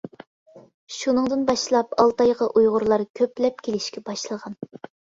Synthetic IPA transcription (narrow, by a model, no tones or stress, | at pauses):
ʃunɨŋd̪ɨnbɑʃlˠɑpɑlˠt̪ɑjʁɑʔujʁʊɾlˠɑɾkʲʰøplɛp̚kʲelɪʃkʲɛbɑʃlˠəʁɑn